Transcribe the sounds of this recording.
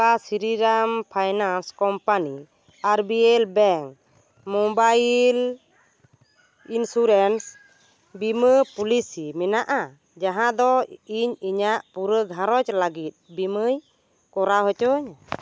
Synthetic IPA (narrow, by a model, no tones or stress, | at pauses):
kasiɾiɾampʰajnanskɔmpani | aɾbiɛlbɛŋk | mɔbajl | insuɾɛns | biməpulisimɛnaʔa | d͡ʒaɦãd̪ɔiɲiɲaʔpuɾəɡʱãɾɔt͡ʃlaɡit̪̚ˀbiməj | kɔɾaɦɔt͡ʃɔɲ